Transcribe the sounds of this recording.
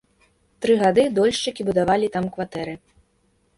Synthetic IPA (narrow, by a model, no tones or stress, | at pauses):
t̪ɾɨɣad̪ɨd̪ɔlʲʂt͡ʂɨkʲibud̪avalʲit̪amkvat̪ɛɾɨ